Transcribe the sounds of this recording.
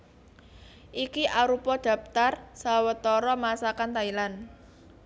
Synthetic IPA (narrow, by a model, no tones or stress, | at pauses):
ʔikiʔaɾupɔd̪̥ä̤p̚t̪arsawət̪ɔɾɔmasakant̪ailan